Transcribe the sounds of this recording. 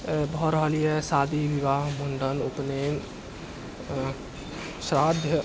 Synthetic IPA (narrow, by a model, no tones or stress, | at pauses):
bʱɔɾəɦəlijesaːd̪iʋiʋaːɦmuɳɖənupnen | sɾad̪ʱjə